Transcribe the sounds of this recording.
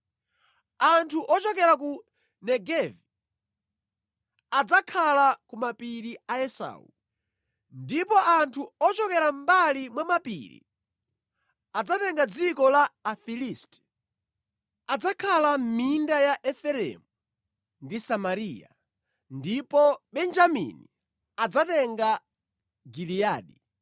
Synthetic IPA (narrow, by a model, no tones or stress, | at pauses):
antʰuʔɔt͡ʃɔkɛɾak̬u | nɛɡɛvi | ad͡zakʰalakumapiɾiaɛsa̰ṵ | ndipɔʔantʰuɔt͡ʃɔkɛɾambalimwamapḭɾḭ | ad͡zatɛŋɡad͡zikɔlaːfilistɛ̥ | ad͡zakʰalam̩mindajaʔɛfɛɾɛ̰mu | ndisamaɾiːja̰ | ndipɔɓɛnd͡ʒamḭni | ad͡zatɛŋɡa | ɡilijaːɗi